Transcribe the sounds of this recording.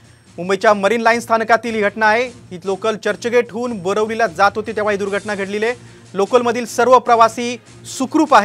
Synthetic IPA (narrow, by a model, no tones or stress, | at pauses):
mumbəjt͡ɕjaməɾiːnlainst̪ʰankat̪iːliɡʱəʈnaːɦeɦiːlokəlt͡ɕəɾt͡ɕəɡeʈʰɦuːnbəɾəʋlilad͡zat̪ɦot̪iːt̪eʋ̤aɦiːd̪uɾɡʱəʈnaɡʱeʈlile | lokəlməd̪ʱiːlsəɾʋəpɾəʋasiː | sukɾuːpaɦe